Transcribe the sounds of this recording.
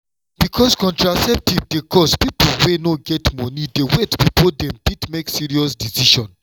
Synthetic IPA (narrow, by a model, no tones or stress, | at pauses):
b̥ikʰɔskɔ̃ntɹasɛp̚tivdekʰɔspipolwenoɡɛtmɔnidewɛtpipodɛ̃mditmeksiɹiɔsdisiʃɔ̃n